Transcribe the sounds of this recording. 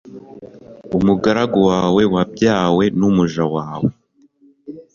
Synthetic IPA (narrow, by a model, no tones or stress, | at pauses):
umuɡaɾaɡowaːwe̞wab̚ɟaːwe̞numuʒawaːwe